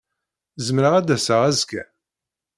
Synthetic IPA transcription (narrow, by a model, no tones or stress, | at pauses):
zəmɾəʁæd̪æsəʁæzkæ̰